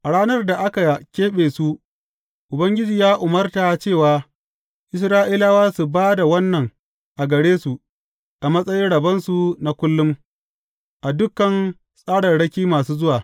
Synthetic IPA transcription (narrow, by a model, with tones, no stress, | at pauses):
ʔa˨ɽaː˦nɐ˦rda˨ʔa˦ka˨ja˨kʲeː˦ɓeː˨su˦ʔ | ʔʊ˨bɐ˦ŋɡʲɪ˦d͡ʒiː˨jaː˦ʔʊ˨mɐ˦rta˨t͡ʃeː˦˨waː˨ | ʔɪ˦s̬ɾaː˦ʔi˦la˦waː˦su˨baː˦da˨wɐ˦nːɐ˨ŋ | ʔa˨ɡɐ˨ɽeː˦su˨ | ʔa˨mɐ˦sʼɐ˦jɪ˦ɽɐ˨bɐ˦nsu˨na˨kʷʊ˦lːʊ˦m | ʔa˨dʊ˦kːɐ˨n | sʼaː˦ɽɐ˨nɽɐ˦kʲiː˦maː˨suː˦zʊ˦waː˨